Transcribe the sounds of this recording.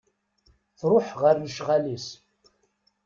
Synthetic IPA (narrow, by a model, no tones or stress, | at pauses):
θɾˤʊħʁərnəʃʁalis